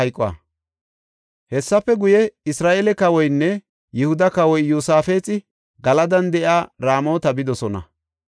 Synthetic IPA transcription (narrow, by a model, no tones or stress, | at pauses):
ɐjkʼwa̰ | hɛsːɐpːɛɡʊjɛɪsɾaːʔeːlɛkɐwɔjnːɛ | jɪhʊd̪ɐkɐwɔjːuːsaːfe̞ːt͡sʼɪ | ɡɐlɐd̪ɐnd̪ɛʔjaːɾaːmo̞ːt̪ɐbɪd̪ɔsɔnɐ̰